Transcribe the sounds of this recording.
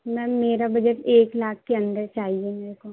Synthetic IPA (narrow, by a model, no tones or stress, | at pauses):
mɛ̃meːɾabɐd͡ʒəʈeːklaːk̚ʰkeɐ̃nd̪əɾt͡ʃaːɦiemeːɾeko